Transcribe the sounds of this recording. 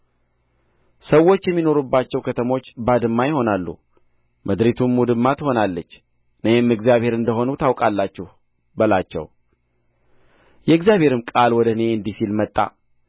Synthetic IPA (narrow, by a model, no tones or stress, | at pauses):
səwːo̞t͡ʃːjɛmːino̞ɾubːat͡ʃːɛwkʰət̪ʰəmo̞t͡ʃːbad̪ɨmːajɪho̞nalːṵ | mʔəd̪ɾit̪ʰumːud̪ɨmːat̪ho̞nalːət͡ʃː | ɨnəhɛmːɨɡzjaβhe̞ɾɨnd̪əɦo̞nut̪ʰawkʼalːat͡ʃːɛh | bəlat͡ʃːɛ̰w | jɛɨɡzjaβhe̞ɾɨmkʼalwɔd̪əɨne̞ɨnd̪isilmət̪ʼːa̰